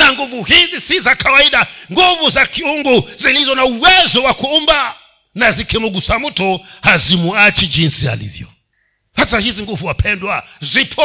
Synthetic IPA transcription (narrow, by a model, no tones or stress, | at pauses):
zaŋɡuvuɦizisizakʰawaiɗaŋɡuvuzakʰiuŋɡuzilizɔnauwɛzɔwakʰuumba | nazikʰɛmuɡ̬usamutʰɔhazimuat͡ʃid͡ʒinsia̰lḭvjɔ̰ | hasaɦiziŋɡuvuwapʰɛndwazʷipʰɔ